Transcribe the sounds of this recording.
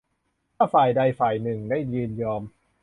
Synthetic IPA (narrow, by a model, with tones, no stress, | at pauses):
kʰaː˥˩faː˨˩jda˧jfaː˨˩jnɯ˨˩ŋda˥˩jjɯː˧njɔː˧m